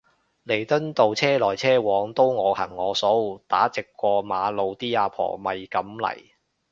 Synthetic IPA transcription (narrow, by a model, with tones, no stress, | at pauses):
le˨˩jt̪ɵ˥nt̪o˨˧wt͡sʰɛː˥lɔː˨˩jt͡sʰɛː˥wɔː˨˧˥ŋt̪o˥wŋɔː˨˧hɐ˨˩ŋːɔː˨˧sɔː˨˥˨t̪a̰ː˨˥t͡sɪ˨kːʷɔː˧maː˨˧lo˨˧wt̪iː˥aː˧pʰɔ̰ː˨˩mɐ˨jkɐ˨˥mlɐ̰˨˩j